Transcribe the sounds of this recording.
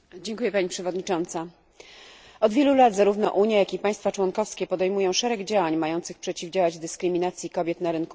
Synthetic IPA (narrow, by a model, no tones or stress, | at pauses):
d͡ʑɛŋkujɛpaɲipʂɛvɔd̪ɲit͡ʂɔnt̪sa | ɔd̪vʲjelulat̪zaɾuvnɔ̰ʔuɲjajakʲipaj̃st̪fat͡ʂwɔnkɔfskʲɛpɔd̪ɛjmujɔ̃w̃ʂɛɾɛɡd͡ʑawaɲmajɔnt̪sɘxpʂɛt͡ɕivd͡ʑawad͡ʑd̪ɘskɾɘmʲinat̪sʲjikɔbʲjɛt̪naɾɘnku